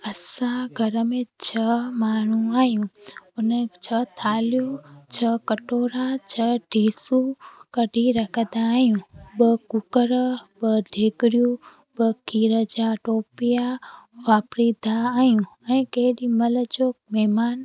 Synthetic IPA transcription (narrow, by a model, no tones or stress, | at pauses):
əsaɡʱəɾəmẽt͡ʃʰəmaːɳ̤ũaːjũʊnẽt͡ʃʰət̪ʰaːljut͡ʃʰəkəʈoːɾat͡ʃʰəɖʱiːsukəɖʱiɾəkʰəd̪aːjũbəkʊkəɾbəɖʱeːkɾjũ | bəkiɾəd͡ʒaʈoːpijaʋaːpɾid̪ʱaːjũəĩkeːɗimələt͡ʃoːkmɛːmaːn